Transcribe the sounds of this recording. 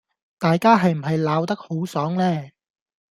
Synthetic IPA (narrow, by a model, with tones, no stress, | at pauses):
t̪aː˨jkaː˥ɦɐ˨jm̩˨˩ɦɐ˨jlaː˨˧wt̪ɐ˥k̚ho˨˥wsɔː˨˥ŋlɛː˥˩